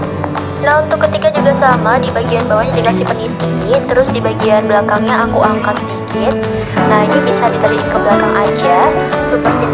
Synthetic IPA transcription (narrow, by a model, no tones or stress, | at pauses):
nahunt̪ʊkːət̪ikad͡ʒuɡasamadibaɡianbawaɲadikasipənit̪int̪əɾʊsdibaɡianbəlakaŋɲaːkuʔaŋkat̪sədikɪt̪̚ | nahinibisadit̪aliikəbəlakaŋʔad͡ʒasupa